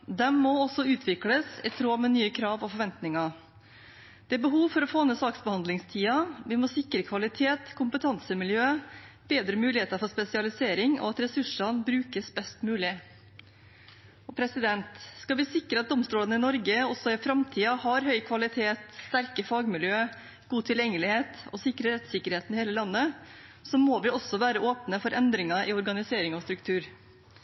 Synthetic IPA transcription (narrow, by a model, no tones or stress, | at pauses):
d̪ɛmmɔɔsɔʉːt̪ʰʋɪkləsɪt̪ʰɾoːmɛnyːəkʰɾɑːʋɔfɔɾʋɛnt̪nɪŋɑ | d̪̥ɛbəɦuːʋfɔɾɔfoːnəsɑːksbəhɑnd̪lɪŋst̪ʰiːɑʋɪmɔsɪkːɾəkʰʋɑlɪt̪ʰeːt̪kʰʊmpət̪ʰɑnsəmɪljøː | b̥eːd̪ɾəmʉːlɪheːt̪ɑɾfɔʂpɛsɪɑlɪseːɾɪŋɔ̰ɑt̪ɾɛsʉʂɑnbɾʉːkəsbɛst̪mʉːlɪ | ɔpʰɾɛsɪd̪ɛnt̪skɑʋɪsɪkːəɾəɑt̪̚d̪ɔmst̪uːlɑnəɪnɔɾɡəɔsɔɪfɾɑmt̪ʰiːɑhɑɾɦœʏkʰʋɑlɪt̪ʰeːt̪st̪æɾkəfɑːɡmɪljøː | ɡ̥uːt̪ʰɪljɛŋːəlɪheːt̪ɔ̰sɪkːɾəɾɛt̪sɪkːəɾheːt̪nɪheːləlɑnːə | sɔmoːʋɪɔsɔʋæːɾəoːpnəfɔɾʔɛnd̪ɾɪŋɑʔɪɔɾɡɑnɪseːɾɪŋɔst̪ɾʉkt̪ʰʉːɾ